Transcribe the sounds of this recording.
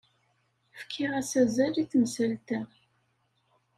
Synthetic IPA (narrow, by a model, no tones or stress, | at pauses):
fkʰːɪʁæsæzæliθmsælt̪æ